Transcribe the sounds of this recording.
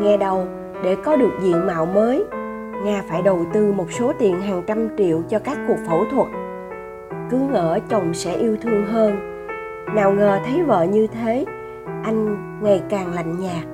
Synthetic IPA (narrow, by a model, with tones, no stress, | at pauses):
ŋɛ˧ɗə˧w | ɗe˧˩kɔ˨˦ɗɨ˨˩ək̚zḭ˧˨ənma̰ː˧˨wməː˨˦j | ŋaː˧faː˧˩jɗə˨˩wt̪ɨ˧mo˨˩t̚so˨˦t̪i˨˩ənɦaː˨˩ŋt͡ɕa˧mt͡ɕḭ˧˨əwt͡ɕɔ˧kaː˦˥kːu˨˩ək̚fo̰˧˩t̪ʰwə˨˩t̚ | kɨ˨˦ŋə̰ː˧˩t͡ɕə˨˩wŋ͡msɛ̰˧˥ʔi˧əwt̪ʰɨ˧əŋɦəː˧n | naː˨˩wŋəː˨˩t̪ʰə˨˦jvə̰ː˧˨ɲɨ˧t̪ʰe˨˦ | ʔa˧jŋ̟ | ŋa˨˩jkaː˨˩ŋla̰˧˨jŋ̟ɲaː˨˩k̚